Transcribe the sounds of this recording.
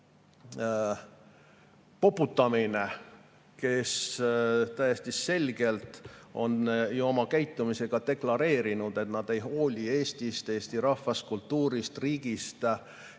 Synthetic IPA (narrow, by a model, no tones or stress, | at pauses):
po̞pːˑut̪ːˑɑmine | ke̞s | t̪æjest̪isse̞lʲɡ̥e̞lt̪ˑo̞̰njuo̞mɑkæjt̪ːˑumise̞ɡ̥ɑt̪e̞klɑɾe̞ːɾinud̪̥e̞t̪nɑd̪̥e̞jɦo̞ːlʲie̞ːst̪ist̪e̞ːst̪iɾɑhːɑskult̪ːuːɾist̪riːɡ̥ist̪